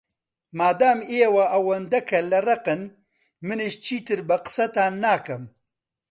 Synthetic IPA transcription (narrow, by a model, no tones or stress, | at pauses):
maːd̪aːmeːwɐʔɐwɐnd̪ɐkʰɐlɐrɐqɨn | mɨneʃt͡ʃʰiːt̪ɨɾbɐqɨ̥sɐt̪aːnːaːkɐm